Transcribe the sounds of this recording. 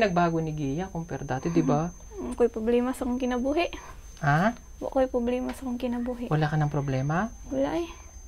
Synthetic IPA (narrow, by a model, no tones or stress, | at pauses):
nɐɡ̚baːɡonɪɡiːjakoŋpɛɾd̪at̪od̪ɪba | ŋkojpɾoblɛːmɐsɐkoŋkɪnɐbuːhɛʔ | ʔa | wɐ̰ʔkojpɾoblɛːmɐsɐkoŋkɪnɐbuːɦɛʔwɐlaːkɐnɐŋpɾoblɛːmɐwɐlaʔj